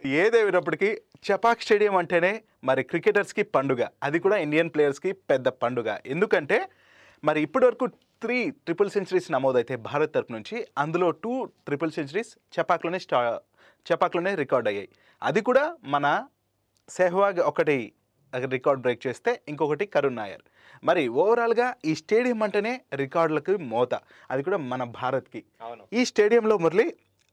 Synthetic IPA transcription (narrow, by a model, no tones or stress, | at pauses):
eːd̪eːʋinɐp̬ːɐʈikit͡ʃɛpaːksʈe̞ːɽijɐmɐɳʈe̞ːne̞ː | mɐɾikɾikeːʈɐɾskipɐɳɖuɡa̰ːɐd̪ikuːɽaːiɳɖijɐnpleːjɐɾskipɛd̪ːɐpɐɳɖuɡa̰ːʔe̞nd̪ukɐɳʈe̞ː | mɐɾiːpːuʈiʋɐɾɐkuː | t̪ʰɾiːʈɾipɐlseɲt͡ʃɐɾiːsnɐmoːd̪ɐjit̪e̞ːbʱaːɾɐt̪̚t̪ːɐɾupɐnuɲt͡ʃiɐnd̪ulo̞ːʈuːʈɾipɐlseɲt͡ʃɐɾiːs | t͡ʃɛpaːklo̞ːneːsʈa | t͡ʃɛpːaːkloːne̞ːɾikaːɾɖɐjːa̰ːji | ɐd̪ikuːɽaːmɐnɐ | sɛːɦɐʋaːɡɔkɐʈi | ɐkɐɐɾikaːɾɖbɾe̞ːk̚t͡ʃeːst̪e̞ːiŋkɔkɐʈikɐɾunːa̰ːja̰ːɾ | mɐɾiʋɔːʋɐɾaːluɡaːiːsʈeːɖijɐmɐɳʈɐne̞ːɾikaːɾɖlɐkimɔːt̪ɐ | ɐd̪ik̬uːɽaːmɐnɐbʱaːɾɐt̪ki | iːsʈe̞ːɽijɐmlo̞ːmɐɾli